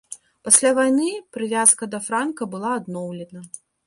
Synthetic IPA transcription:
pasʲlʲavajnɨpɾɨvʲaskɐd̪ɐfɾankɐbɨlˠaːd̪nɔwlʲɛd̪ɐ

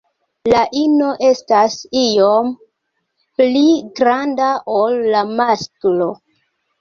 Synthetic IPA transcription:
laʔino̞ʔe̞stasijo̞m | pliɡɾandaʔolːamasklo̞

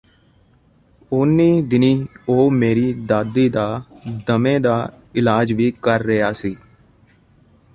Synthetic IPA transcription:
ʊnːiːd̪ɪniːoːmeːɾiːd̪aːd̪iːd̪aːd̪əmẽːd̪aː | ɪlaːd͡ʒʋiːkəɾːɪjaːsiː

